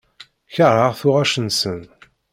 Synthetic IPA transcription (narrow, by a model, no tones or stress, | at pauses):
çəɾˤəʁθʊʁæʃənsən